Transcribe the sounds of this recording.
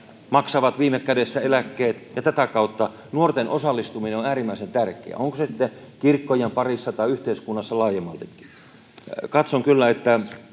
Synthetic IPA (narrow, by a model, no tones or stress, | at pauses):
mɑksɑʋɑt̪ʋiːmekkædesːæelækːeːt̪jɑt̪æt̪ækɑut̪ːɑ | nuort̪enʔosɑlːist̪umineonæːrimːæisent̪ærkˑḛæ̰oŋkosesit̪ːekirkːojempɑrisːɑt̪ɑiyht̪eiskunːɑsːɑlɑːjemːɑlt̪ekːi̥ | kɑt̪soŋkylːæet̪ːæ